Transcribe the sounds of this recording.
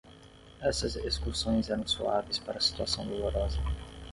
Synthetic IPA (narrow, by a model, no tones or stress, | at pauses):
ɛsɐzeskuɾsõj̃zɛɾɐ̃w̃suavejspaɾɐːsi̥t̪uasɐ̃w̃d̪oloɾɔzɐ